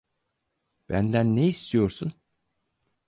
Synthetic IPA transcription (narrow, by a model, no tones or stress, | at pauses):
b̥ænd̪ænːeist̪ʰijo̞ɾsun